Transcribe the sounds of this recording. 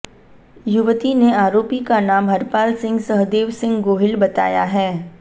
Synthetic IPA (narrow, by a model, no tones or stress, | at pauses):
jʊʋt̪ineaːɾoːpikanaːmɦɐɾpaːlsɪ̃ŋɡsɐɦd̪eːʋsɪ̃ŋɡɡoːɦɪlbɐt̪a̰ːja̰ɦɛː